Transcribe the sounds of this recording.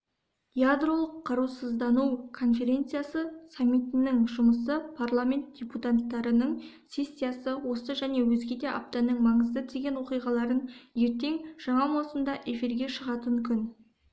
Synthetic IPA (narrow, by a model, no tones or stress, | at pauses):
jad̪rolˠəqʰːɑɾusəzd̪ɑnukʰo̞nfe̞ɾʲe̞nt̪sɨjasəsamʲːijt̪ɪnɪŋʒʊməsəpʰarlˠamʲe̞nt̪̚d̥ʲeput̪at̪ːɑɾənəɴ | sʲe̞sʲːijasəwo̞səʒæne̞wɵzɡʲe̞d̪e̞ʔa̰p̚t̪ɑnəɴmɑɴəzd̪əd̪ʰeɡʲe̞nwo̞qijʁɑlˠɑɾənje̞ɾt̪e̞ŋʒ̥ɑɴɑmosənd̪ɑʔe̞fiɾɡʲe̞ʃəʁɑt̪əŋkʲʰʏn